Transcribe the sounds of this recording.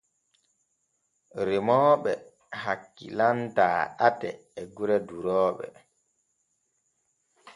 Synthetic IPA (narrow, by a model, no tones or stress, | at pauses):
ɾimɔːɓɛ | hakːḭlantaːʔatɛː | ɡuɾɛduɾɔːɓɛ̰